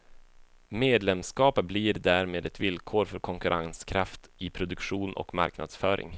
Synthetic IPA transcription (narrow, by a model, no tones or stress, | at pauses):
meːd̪lɛmskɑːpəbliɾd̪æːɾmeːd̪ɛt̪vɪlkʰoːɾfœɾkʰɔŋkɵɾʔaŋskʰɾaft̪ɪpʰɾʊd̪ɵkɧuːnʔɔ̰kma̰ɾkna̰d̪sfœːɾʔɪ̰ŋ